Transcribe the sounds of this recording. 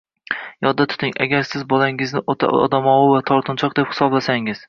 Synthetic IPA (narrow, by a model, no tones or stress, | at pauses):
jɒd̪ːat̪ʰʊ̥t̪ɪŋaɡʲaɾsɪzbɒlaŋɪznɪʔot̪ʰa̰ɒ̰d̪amɒwʊvat̪ʰɒɾt̪ʰʊnt͡ʃʰɒq̚d̪e̞phɪ̥sɒblasaŋɪz̥